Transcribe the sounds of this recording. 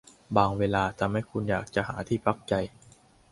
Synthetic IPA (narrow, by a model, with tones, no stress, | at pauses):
baː˧ŋweː˧laː˧t͡ɕa˨˩ma˥˩jkʰu˧njaː˨˩k̚t͡ɕa˨˩ɦaː˩˦t̪ʰiː˥˩pʰa˦˥˩k̚t͡ɕa˧j